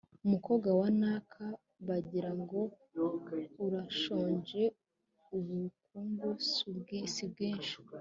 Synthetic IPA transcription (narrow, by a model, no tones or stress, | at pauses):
umuko̞ːɡwawanaːkʰa | βaɟiɾaŋɡo̞ | uɾaʃoːɲd͡ʒe̞ | uβukuŋɡusubɡiːsib̚ɡiːnʃi̥